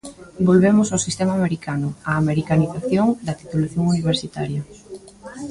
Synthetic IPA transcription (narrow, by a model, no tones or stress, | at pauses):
bolβemʊsawsist̪emaːmeɾikanʊaːmeɾikaniθaθjoŋd̪ɐt̪it̪ulaθjoŋuniβ̞eɾsit̪aɾjɐ